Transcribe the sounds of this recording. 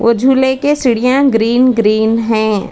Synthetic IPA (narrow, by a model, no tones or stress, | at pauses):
ʋʔo̰d͡ʒʱuːlekesɪɽijãɡɾiːnɡɾiːnɦɛ̃ː